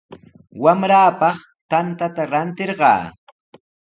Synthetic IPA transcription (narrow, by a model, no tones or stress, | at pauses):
wamɾaːpɑχ | t̪ant̪at̪aɾant̪ɪɾɢɑ̰ː